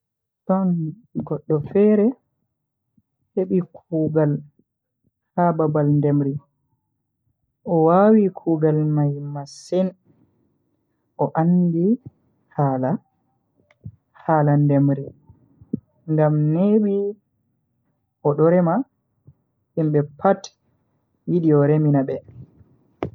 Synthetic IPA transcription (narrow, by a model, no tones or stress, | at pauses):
tɔn | ɡɔɗːɔfɛɾɛ | heɓikʰuːɡal | hababalndemɾi | ʔɔwaːwikʰuːɡalmajmasin | ʔɔʔandi | haːla | haːlandemɾi | ŋɡamneɓi | ʔɔɗɔɾɛma | himɓɛpʰat | wiɗiɔɾeminabɛ